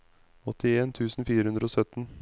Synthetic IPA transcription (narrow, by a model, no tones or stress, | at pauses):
ɔt̪ʰɪeːnt̪ʰʉːsn̩fiːɾəhʉnd̪ɾəoːsœt̪n̩